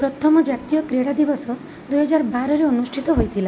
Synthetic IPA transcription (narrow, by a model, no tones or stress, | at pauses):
pɾɔt̪ʰɔmɔd͡ʒat̪ijɔkɾeɽad̪ibɔsɔ | d̪ujɦɔd͡ʒaɾbaɾɔɾeɔnusʈʰit̪ɔɦojt̪ʰila